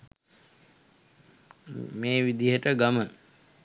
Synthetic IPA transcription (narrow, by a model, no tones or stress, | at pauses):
meːʋid̪iɦəʈəɡamə